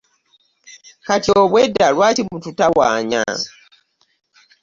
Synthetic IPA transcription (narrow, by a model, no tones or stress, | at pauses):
katjoβwedːalwaːtimututawa̰ːɲa̰